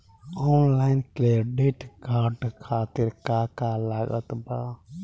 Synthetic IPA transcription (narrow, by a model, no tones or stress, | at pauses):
ɔːnlaːɪnkleːɖeʈkaːɖkʰaːt̪ɪɾkaːkaːlaɡə̰t̪baː